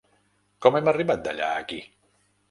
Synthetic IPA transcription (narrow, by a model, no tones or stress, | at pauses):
kɔmɛməriβat̪̚d̪a̰ʎa̰ə̰ki